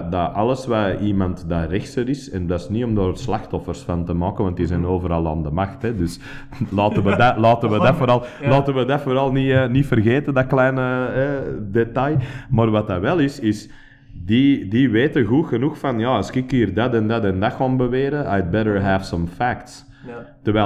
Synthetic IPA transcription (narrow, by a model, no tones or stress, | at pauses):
daʔɑlˠəsʋaimɑntdarɪxsəɾɪsɛndasniɔmdoːrslaxtɔfərsfantəmɑːkəʋɑnt̚dizɛnoːvəɾɑlˠa̰ːndəmaxtɛdʏs | lɑːtəʋədalɑːtənʋədafoɾɑlˠlɑːtənʋədafoɾɑlˠninifərɣeːtədaklɛjnəɛdetɑjmaːrʋataʋɛlˠɪsɪs | didiʋeːtəɣuxənuxfɑnjɑːskɪkiːrdatɛ̃ndatɛ̃ndaxoːnbəʋeːɾəajd̚bɛɾəɹɦɛv̥sɔ̃mfækts | tːəɾʋɛː